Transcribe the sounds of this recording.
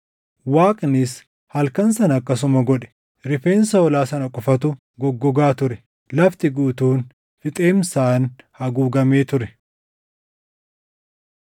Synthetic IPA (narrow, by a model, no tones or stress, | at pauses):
waːkʼnɪs | hɐlkɐnsɐnɐkːɐs̬ʊmɐɡɔᶑɛ̥ | ɾɪfeːnsɐɔlaːsɐnɐkʼʊfɐt̪ʊ | ɡɔɡːɔɡaːt̪ʊɾɛ | lɐft̪ɪɡuːt̪uːn | fɪt̪ʼe̞ːmsaːnhɐɡuːɡɐmeːt̪ʊɾɛ